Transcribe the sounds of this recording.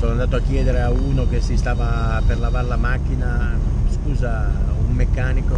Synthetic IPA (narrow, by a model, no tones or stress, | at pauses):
soːnoand̪at̪oakːjɛːd̪eɾeauːnok̟esːist̪aːva | perlavarlamakːinaskuːza | umːekːaːniko